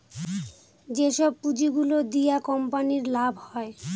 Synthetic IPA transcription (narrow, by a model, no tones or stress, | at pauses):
d͡ʑeʃɔb̚pud͡ʑiɡulod̪ijakɔmpaniɾlabʱhɔe